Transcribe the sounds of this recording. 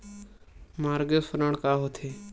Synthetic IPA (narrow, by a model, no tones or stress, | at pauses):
maːɾɡefəɾəɳkaːɦoːt̪ʰeː